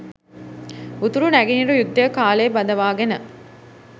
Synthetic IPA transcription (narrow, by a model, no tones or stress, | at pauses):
ut̪uɾunæɡeniɾujud̪ːəjəkaːleːbɐd̪ɐʋaːɡenə